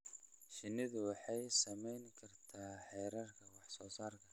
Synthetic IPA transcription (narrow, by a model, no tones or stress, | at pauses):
ʃɪnɪðʊwɑħɑjsɐmɛjŋkʰɐrt̪ʰaːħɛjɾɐrkʰɐwɑħsɔːsaːrkʰɐ